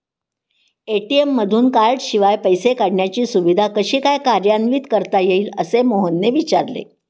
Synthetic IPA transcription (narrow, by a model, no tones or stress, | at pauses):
eʈiemːəd̪ʱuːnkaɾʈɕiʋajpəjsekaɽɳjat͡ɕiːsuʋid̪ʱakəɕiːkajkaɾjanʋiːt̪kəɾt̪ajeiːləsemoɦənːeʋit͡ɕaɾlḛ